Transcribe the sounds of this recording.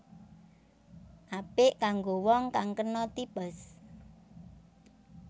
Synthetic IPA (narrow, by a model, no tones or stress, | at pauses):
ʔapɪʔkaŋɡowɔŋkaŋkənɔt̪ipəs